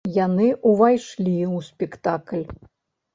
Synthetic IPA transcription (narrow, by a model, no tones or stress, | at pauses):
janɨʔuvajʂlʲiwsʲpʲɛkt̪aklʲ